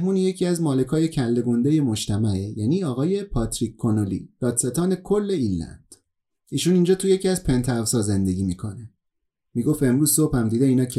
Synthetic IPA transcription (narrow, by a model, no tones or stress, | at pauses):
muːnije̞cʰiæzmɒːle̞kʰɒːje̞cʰælːe̞ɡond̪e̞je̞mo̞ʃt̪ʰæmæʔejæniːɒːɣɒːje̞pʰɒt̪ʰɾikʰkʰːonolḭːd̪̥ɒːd̪se̞t̪ʰɒːne̞kʰolːe̞illæ̰nd̪̥ | iːʃunind͡ʒɒːt̪ʰujecʰiæzpʰe̞nt̪ʰævsɒːze̞nd̪e̞ɡʲiːmiːkʰo̞ne | miːɡo̞fe̞mɾuːzsob̥hæmd̪iːd̪eiːnɒːcʰe